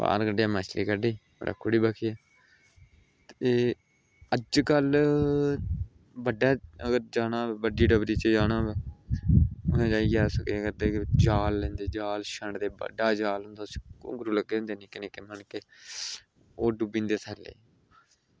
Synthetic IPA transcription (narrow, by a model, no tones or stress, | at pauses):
pa̰ːɾkəɖeːaːməːt͡ʃliːkəɖiːpəɾʔa̰kʰːʊɽiːbaːkʰiːɛː | t̪eː | əd͡ʒkəl | bəɖːaːəɡəɾd͡ʒaːnaːbɛːbəɖiːɖəbɾiːt͡ʃəd͡ʒaːnaːbɛː | ʊnãːd͡ʒaːiɡaːsəkːɡəɾd̪eːkd͡ʒaːlːɛ̃ːnd̪eːd͡ʒaːlʃəɳɖd̪eːbə̰ɖaːd͡ʒaːlɦʊ̃nd̪askõ̰ːɡɾuːləɡːeːɦʊ̃nd̪eːnĩːkɪneːkeːmənkeː | oːɖubĩːnd̪eːt̪ʰəlːḛː